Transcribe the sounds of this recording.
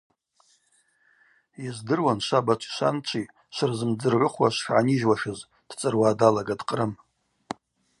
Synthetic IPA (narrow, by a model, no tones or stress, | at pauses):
jizdɨrwanʃʷabat͡ʃʷʰʼʃʷa̰nt͡ʃʷʰʼi | ʃʷɨrzɨmd͡zɨrʕʷʊχwaʃʷʂʕaniʒwaʂɨz | d̥t͡sʼɨrwaːdalaɡadqʼrɨm